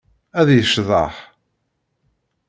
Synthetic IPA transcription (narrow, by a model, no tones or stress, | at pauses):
æðjəʃðˤɑ̰ħ